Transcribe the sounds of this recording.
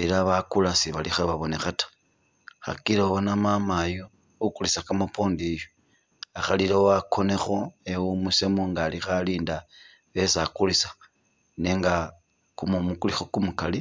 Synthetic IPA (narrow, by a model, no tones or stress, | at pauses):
eɾaβakulasiβalixeβaβo̞nexatḁ | xa̰kiɾoβonamamajo | ukulisakamopʰo̞ːndijo | axalilewakʰo̞ne̞xo̞ewumusemoŋɡaːlixaliːnda | βe̞sakulisḁ | neŋɡa | kumomukulixokumukali